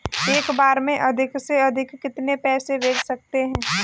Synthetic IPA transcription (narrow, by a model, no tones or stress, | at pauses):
eːkbaːɾmẽʔɐd̪ʱɪkseɐd̪ʱɪkːɪt̪nepɛːseʋeːksɐk̚t̪eɦɛ̃ː